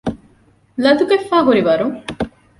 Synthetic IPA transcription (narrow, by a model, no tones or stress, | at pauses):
lɐd̪uɡefːaːɦuɾiʋɐɾuŋ